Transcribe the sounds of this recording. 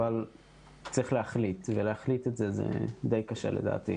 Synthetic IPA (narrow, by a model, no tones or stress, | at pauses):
val | t͡sʁiχleaχlit̪veleaχlit̪etzezḛd̪e̞jkaʃḛleda̰ːt̪ḭ